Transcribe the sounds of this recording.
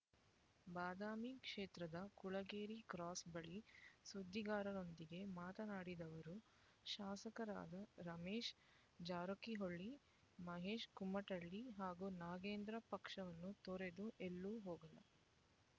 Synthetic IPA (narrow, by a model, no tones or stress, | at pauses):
baːd̪aːmikʂeːt̪ɾɐd̪ɐkuɭɐɡeːɾikɾaːsbɐɭisud̪ʱːiɡaːɾɐno̞nd̪iɡe̞maːt̪ɐnaːɽid̪ɐʋɐɾu | ʃaːsɐkɐɾa̰ːd̪ɐɾɐmeːʃ | d͡ʒaːɾokiɦoɭːi | mɐɦeːʂkumːɐʈɐɭːiɦaːɡunaːɡeːnd̪ɾɐpɐkʂɐʋɐnːut̪oɾe̞d̪uʔelːuːɦoːɡɐlɐ̰